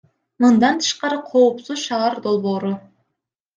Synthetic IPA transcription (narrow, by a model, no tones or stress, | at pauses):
mɨnd̪ɑnt̪ʰɯ̥ʃqɑɾəqʰo̞upsuzʃɑɑɾd̪olˠboːɾʊ